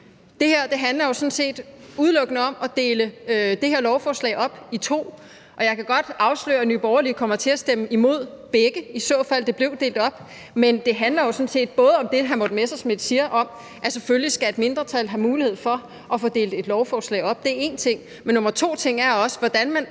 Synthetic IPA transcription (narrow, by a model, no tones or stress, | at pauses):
d̥e̝heɐ̰d̥e̝ɦænlɐjo̝sɔ̽n̩se̝̰ːd̥uð̞ˠlɔ̽ɡ̥ənəɒ̽mɒ̽d̥e̝ːləød̥e̝heɐlɒʊfɒːslɛ̰ɪʔɒ̽b̥it͡sʰo̝̰ː | ʔɒ̽jɑ̈ɪkʰæɡ̥ɒ̽d̥ɑ̈ʊslø̰ːɐnyːb̥ɒʊɐlikʰɒ̽m̰ɐt͡sʰe̝æsd̥eməimo̝ð̞̰ˠb̥eɡ̥əisɔ̽fæl̰d̥e̝b̥le̝ʊd̥e̝̰ːld̥ɒ̽b̥ | mend̥e̝ɦænlɐjo̝sɔ̽n̩se̝̰ːd̥̚b̥ɔ̽ːð̞̩ˠəɒ̽md̥e̝ɦænmɒ̽d̥mesɑsmed̥siːɐʔɒ̽m | æseføllisɡ̥æe̝d̥me̝nd̥ʁɐt͡sʰælɦæmuːlihe̝ð̞̰ˠfɒ̽ | ʔɒ̽fɔ̽ːd̥e̝̰ːld̥e̝d̥lɒʊfɒːslɛ̰ɪɒ̽b̥̚d̥e̝æɐe̝ːnt͡sʰe̝ŋ̰ | menːo̽mɐt͡sʰo̝̰ːt͡sʰe̝ŋ̰æɐɒ̽sə̥ʋɒd̥ænmæn